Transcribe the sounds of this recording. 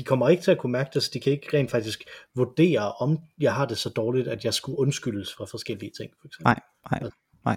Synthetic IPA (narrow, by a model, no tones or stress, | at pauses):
d̥ikʰɒ̽m̰ɐe̝ɡ̥ət͡sʰe̝ækʰumæɐɡ̥əd̥esɒd̥ikʰæe̝ɡ̥əʁɛ̰nd̥fɑ̈ɡ̥d̥isɡ̥ʋod̥e̝̰ːɐʔɒ̽mjɑ̈ɪɦɑ̈d̥e̝sɒ̽d̥ɒːlid̥æd̥jɑ̈ɪsɡ̥uʔɔ̽nsɡ̥yl̰əsfʁɑ̈fɒ̽sɡ̥el̰iət͡sʰe̝ŋ̰fɒ̽eɡ̥sem